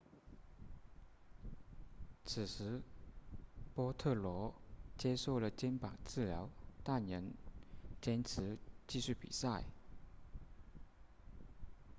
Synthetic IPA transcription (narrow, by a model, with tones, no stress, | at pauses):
t͡s̩ʰ˨˩ʂɻ̩˧˥ | pwɔ˥t̪ʰɤ˥˩lwɔ˧˥t͡ɕjɛ˥ʂo˥˩ʊlə˩t͡ɕjɛ˥npɑ̰˨˩ŋt͡sɹ̩˥˩ljɑ˧˥ʊt̪a˥˩nə˧˥nt͡ɕjɛ˥nt͡s̩ʰ˧˥t͡ɕi˥˧ɕy˥˩pḭ˨˩sa˥˩ɪ